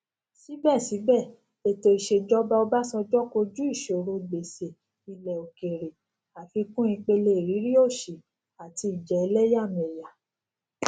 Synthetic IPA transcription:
si˨˦bɛ˦˨si˨˦bɛ˦˨ | e˦˧˨to˧i˨ʃe˨d͡ʒɔ˦ba˦ɔ˧ba˦sɔ˧d͡ʒɔ˦ko˧d͡ʒu˦i˦˨ʃe˨o˨˧ɾo˧ɡ͡be˨se˨ | i˨lɛ˨o˨ke˨ɾe˨ | a˨fi˧kũ˦i˧k͡pe˧le˧i˨ɾi˨˦ɾi˦o˦˨ʃi˨ | a˨ti˧i˨d͡ʒɛ˨i˧lɛ˦ja˦˨mẽ˨ja˨

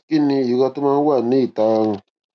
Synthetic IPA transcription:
ki˦ni˦˨ju˨ka˦tu˦mã˦ŋ˦wa˦˨ni˦˨ta˨˦ŋ˨

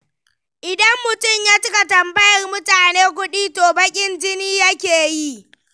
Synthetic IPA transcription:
ʔɪ˨dɐ˦mːʊ˨tʊ˦˨mjaː˦t͡ʃɪ˦ka˨tɐ˨mbɐ˦jɐ˨rmʊ˦taː˨neː˦kʷʊ˦ɗiː˦toː˨bɐ˦kʲʼɪ˦nd͡ʒɪ˦niː˦jɐ˦kʲeː˨ji˦ʔ

